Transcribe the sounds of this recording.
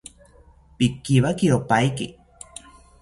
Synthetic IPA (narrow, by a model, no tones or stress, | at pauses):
pikːiβakiopajki